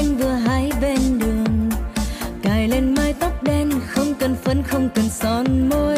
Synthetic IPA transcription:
jŋ̟vɨ˨˩əɦaː˨˦jɓe˧nɗɨ˨˩əŋ | kaː˨˩jle˧nmaː˧jt̪ɔ˦˥wk͡p̚ɗɛ˧nxə˧wŋ͡mkə˨˩nfə˨˦nxə˧wŋ͡mkə˨˩nsɔ˨˦nmo˧

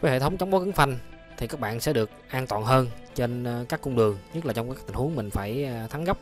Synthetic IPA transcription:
vaː˨˦jhḛ˧˨t̪ʰə˨˦wŋ͡mt͡ɕa˨˦wŋ͡mɓo˨˦kɨ˨˦ŋfa˧jŋ̟ | t̪ʰi˨˩kaː˦˥k̚ɓa̰ː˧˨nsɛ̰˧˥ɗɨ˨˩ək̚ʔaː˧nt̪wa̰ː˨nɦəː˧nt͡ɕe˧nkaː˦˥kːʊ˧ŋ͡mɗɨ˨˩əŋɲə˦˥t̚laː˨˩t͡ɕɔ˧wŋ͡maː˦˥kt̪i˨˩ŋhu˨˦əŋmï˨˩ŋ̟faː˧˩jt̪ʰa˨˦nɣa˦˥p̚

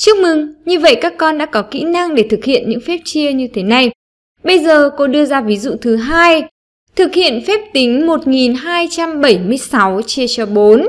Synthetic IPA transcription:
t͡ɕɨ˦˥ək̚mɨ˨˧˩ŋɲɨ˧və̰˧˨jkaː˦˥kːɔ˧nɗa̰ː˧˥kɔ˨˦kḭ˧˥na˧ŋɗe˧˩t̪ʰɨ˨˩k̚hḭ˧˨ənɲɨ̰˧˥ŋfɛ˦˥p̚t͡ɕi˧əɲɨ˧t̪ʰe˨˦na˨˩j | ɓə˧jzəː˨˩ko˧ɗɨ˧əzaː˧vi˨˦zṵ˧˨t̪ʰɨ˨˦ɦaː˧j | t̪ʰɨ˨˩k̚hḭ˧˨ənfɛ˦˥p̚t̪i˨˦ŋ̟mo˨˩t̚ŋi˨˩nɦaː˧jt͡ɕa˧mɓə˧˩jmɨ˧əjsa˨˦wt͡ɕi˧ət͡ɕɔ˧ɓo˨˦n

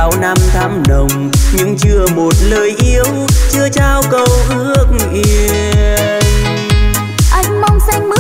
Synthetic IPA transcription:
a˧˦wna˧mt̪ʰaː˨˦mɗə˨˩wŋ͡mɲɨ̰˧˥ŋt͡ɕɨ˧əmo˨˩t̚ləː˨˩jʔi˨˦əwt͡ɕɨ˧ət͡ɕaː˧wkə˧˩wʔɨ˧˦˥ək̚ŋ˨ʔi˧ | ʔa˧jŋ̟ma˧wŋ͡msa˧jŋ̟mɨ˨˦

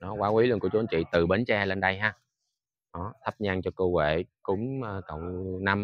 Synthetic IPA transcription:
ɗɔ˨˦waː˨˦wi˨˦lɨ˧˨ŋku˧˩ət͡ɕu˨˦˨nt͡ɕḭ˧˨t̪ɨ˨˩ɓe˨˦nt͡ɕɛː˧le˧nɗa˧jɦaː˧˩ | ɗɔ˨˦t̪ʰə˦˥p̚ɲaː˧ŋt͡ɕɔ˧kəː˧wḛ˧˨kʊ̰˧˦ŋ͡mːkə̰˧˨wŋ͡mna˧m

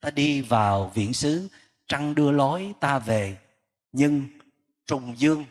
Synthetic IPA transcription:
t̪aː˧ɗi˧vaː˨˩wvḭ˧˥ənsɨ˨˦ | t͡ɕa˧ŋɗɨ˧əlɔ˨˦jt̪aː˧ve˨˩ | ɲɨ˧ŋ | t͡ɕʊ˨˩ŋ͡mzɨ˧əŋ

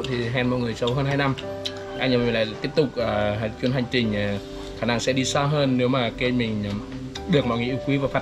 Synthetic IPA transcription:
t̪ʰi˨˩ɦɛ˧˩nmɔ̰˧˨jŋɨ˨˩əjsə˨˦wɦəː˧nɦaː˧jna˧m | ʔaː˧ŋɲə˨˩mi˨˩˨la̰ː˧˨˧t̪i˦˥əp̚t̪ʊ˨˩k͡p̚ʔaː˨˩˨t͡ɕwi˧ənɦa˨˩jŋ̟t͡ɕï˨˩ŋ̟ː˨˩ | xaː˧˩na˧ŋsɛ̰˧˥ɗi˧saː˧ɦəː˧nːe˨˦wmaː˨˩ke˧mï˨˩ŋ̟˨˩ | ɗɨ˨˩ək̚mɔ̰˧˨ŋḭ˨˧˩ʔi˧˦wkwi˨˦vaː˨˩faː˦˥

